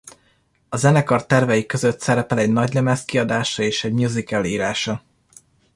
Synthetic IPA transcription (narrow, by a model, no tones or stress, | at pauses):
ɒzɛnɛkɒrt̪ːɛrvɛjikø̞zøt̪sɛɾɛpɛlɛɟnɒɟlɛmɛskiɒd̪aːʃɒeːʃɛɟmuzikɛliːɾaːʃɒ